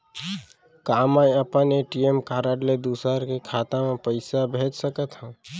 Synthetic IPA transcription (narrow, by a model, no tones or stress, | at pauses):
kaːmaiəpəneʈiemkaɾəɖled̪usəɾkekʰat̪amẽpəɪsabʱed͡ʒsəkət̪ɦə̃